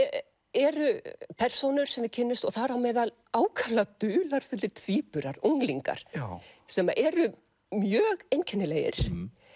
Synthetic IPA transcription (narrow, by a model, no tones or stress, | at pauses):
ɛɾʏpʰɛr̥sownʏɾ̥sɛmacʰɪnːʏst̪ɔɣθaɾawmɛːðal | aːwkʰalat̪ʏːlaɾ̥fɛt̪lɪɾt̪ʰviːpʏɾaɾuŋliŋka̰ɾ̥sɛmaʔɛɾʏ | mjœːɣejncʰɛnːɪleːjɪ̰ɾ̥